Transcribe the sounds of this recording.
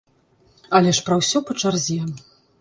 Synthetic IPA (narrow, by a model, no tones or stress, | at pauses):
ɐlʲɛʂpɾɐwsʲɔpɐt͡ʂarzʲɛ